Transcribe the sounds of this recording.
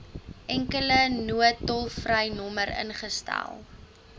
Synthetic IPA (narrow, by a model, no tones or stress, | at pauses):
ʔɛŋkələnuətɔlˠfrəjnɔməɾə̰nχəstæ̰lˠ